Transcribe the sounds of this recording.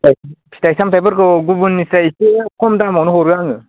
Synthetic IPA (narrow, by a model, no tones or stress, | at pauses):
apʰi̥taisamt̪ajbɯɾkɯɡubunːisaisikʰomdamɔnɯɦoɾɯaŋɯ